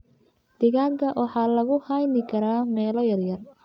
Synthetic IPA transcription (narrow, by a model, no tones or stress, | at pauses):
d̪̥ɪɣaːŋkʰɐʔwʔɑħɑːlɐɣʊhajnɪkʰɐɾaːmɛːlɔjɐrjɐr